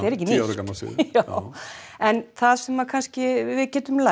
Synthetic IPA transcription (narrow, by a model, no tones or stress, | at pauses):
ɛɾɛhcːɪniaɾʏkamalsɪ̰a | ɛnθaðsɛmːakʰanscɪvɪðcɛːt̪ʏmla